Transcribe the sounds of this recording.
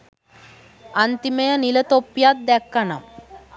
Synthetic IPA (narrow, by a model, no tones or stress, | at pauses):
ɐnt̪imɐjɐnilɐt̪opːjaːt̪̚d̪ɛkːɐnɐm